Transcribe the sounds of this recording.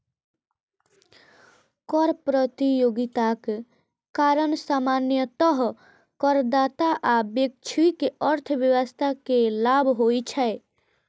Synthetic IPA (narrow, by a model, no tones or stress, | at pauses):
kɔɾpɾət̪ijoɡit̪ak | kaɾəɳsamanjət̪ɔɦ | kəɾd̪aːt̪aʔabjek̚t͡ʃʰuikeəɾt̪ʰəʋjəwəst̪ʰakelabʱɦoit͡ʃʰɛe